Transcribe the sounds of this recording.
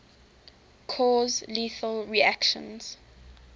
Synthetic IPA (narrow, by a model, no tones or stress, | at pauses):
kʰɔːzliθəlɹiakʃə̰̃nz̥